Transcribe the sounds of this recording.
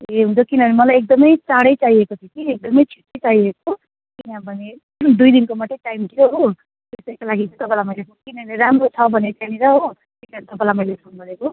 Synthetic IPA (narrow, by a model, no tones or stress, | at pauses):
eɦũnt͡sʰʌkinʌnemʌlajek̚d̪ʌmʌjt͡saɽʌjt͡saiekot̪ʰikiek̚d̪ʌmʌjt͡sʰi̥ʈːʌjt͡saɦieko | kinãbʱʌne | d̪ujd̪inkomaʈiʈajmt̪ioɦo | t̪est̪ʌikalaɡit͡sʰit̪ʌpãlamʌjlepʰonkinʌɦneɾamɾot͡sʰʌbʱʌnet͡saniɾʌɦo | kinʌnt̪ʌpãlajmʌjlepʰonɡʌɾeko